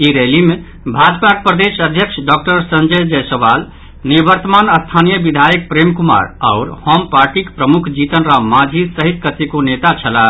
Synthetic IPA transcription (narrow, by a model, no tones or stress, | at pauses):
iɾelime | bʱad͡ʒpak̚pɾəd̪esəd̪ʱjəksʰɖɔk̚ʈəɾsə̃nd͡ʒəd͡ʒɛsəʋal | nibəɾt̪əmanəst̪ʰanijəbid̪ʱajək̚pɾemkuma̰ɾa̰ʊɾhɔmpaɾʈikpɾəmukʰd͡ʒit̪ənɾamad͡ʒʱisəɦit̪kət̪ikonet̪at͡ʃʰəla